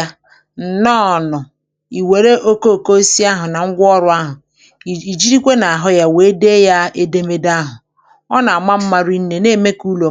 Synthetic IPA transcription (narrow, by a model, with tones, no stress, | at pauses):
n̩˨nɔː˦˨nʊ˨ | i˨we˨ɾe˦ʔo˦ko˦o˨ko˦si˦a˦ɦʊ˨na˨ŋ̩˦ɡʷɔ˦ɾʊ˦a˦ɦʊ˨ | i˨d͡ʒi˦ɾi˦kʷe˦na˨a˨ɦʊ˦ja˦we˨˦de˦ja˦e˦de˦me˦da˦ɦʊ˨ | ɔ˦na˨a˨ma˦m̩˦ma˦ɾi˦n̩˦ne˨ne˦˨me˦ku˦lo˨